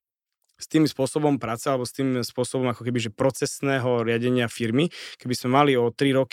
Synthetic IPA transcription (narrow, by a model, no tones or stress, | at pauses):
st̪iːmspʊɔsɔbɔmpɾaːt͡sɛalɛbɔst̪iːmspʊɔsɔbɔmakɔkɛbiʒɛpɾɔt͡sɛsnɛːɦɔɾɪaɟɛɲɪafiɾmikɛbizmɛmaliɔt̪ɾiɾɔk